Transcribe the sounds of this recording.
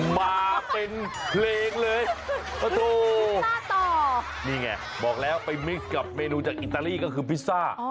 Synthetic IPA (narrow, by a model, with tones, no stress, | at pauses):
maː˧pe˧n | pʰleː˧ŋlɤː˧j | pa˧t̪uː˧˥t̪ɔː˨˩ | niː˥˩ŋa˧˩ | bɔː˨˩k̚lɛː˦˥wpa˧jmi˦˥k̚ka˨˩p̚meː˧nuː˧t͡ɕaː˨˩k̚ʔi˨˩t̪ːaː˧liː˥˩kɔː˥˩kʰɯː˧pʰi˦˥saː˥˩